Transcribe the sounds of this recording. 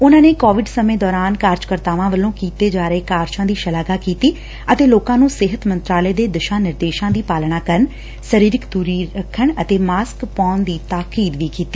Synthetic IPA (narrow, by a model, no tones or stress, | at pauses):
ʊnãːneːkoːʋɪɖsəmẽːd̪ɔːɾaːnkaːɾd͡ʒkəɾt̪aːʋãːʋəlːõːkiːt̪eːd͡ʒaːɾəeːkaːɾt͡ʃãːd̪iːʃəlaːɡaːkiːt̪iː | ət̪eːloːkãːnũːsɪɦət̪mə̃nt̪ɾaːleːd̪eːd̪ɪʃãːnɪɾd̪eːʃãːd̪iːpaːlɳaːkəɾəɳ | səɾiːɾɪkd̪uːɾiːɾəkʰːəɳət̪eːmaːskpɔːnd̪iːt̪aːkiːd̪ʋiːkiːt̪iː